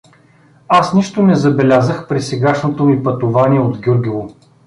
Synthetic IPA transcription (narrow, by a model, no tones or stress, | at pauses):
asniʃt̪onɛzɐbɛlʲazəxpɾisɛɡaʃnot̪omipɐt̪ʊvaniɛod̪ɡʲuɾɡʲivˠo